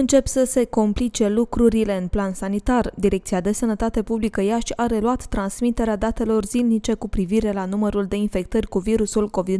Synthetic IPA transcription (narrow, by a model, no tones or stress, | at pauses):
ɨnt͡ʃe̞psəse̞komplit͡ʃe̞lukɾuɾile̞ɨnplansanit̪ard̪iɾe̞kt̪siad̪e̞sənət̪at̪e̞publikəjaʃʲaɾe̞luat̪ːɾansmit̪e̞ɾead̪at̪e̞lo̞rzilnit͡ʃe̞kupɾiviɾe̞lanuməɾuld̪e̞infe̞kt̪ərʲkuviɾusulko̞vid̪